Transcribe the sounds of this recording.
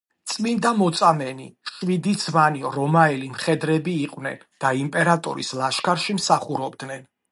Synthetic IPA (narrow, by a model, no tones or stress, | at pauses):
t̪sʼmind̪amɔt̪sʼamɛnḭʃwid̪izmaniɾɔmaɛlimχɛd̪ɾɛbiːqʼwnɛ̰nd̪̥aimpʼɛɾat̪ʼɔ̰ɾḭslˠaʃkʰaɾʃimsaχuɾɔbd̪nɛn